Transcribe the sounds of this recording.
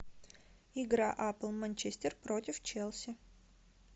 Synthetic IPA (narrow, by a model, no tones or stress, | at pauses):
ɪɡɾaʔaplˠmɐnʲt͡ɕesʲtʲɪrpɾotʲɪft͡ɕelˠsʲɪ